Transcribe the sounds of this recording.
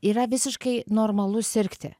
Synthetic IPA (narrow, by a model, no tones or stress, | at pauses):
iːɾɐʋʲɪsʲɪʃkɐɪnoːɾmɐlˠʊsʲɪɾʲkt̪ʲɪ̰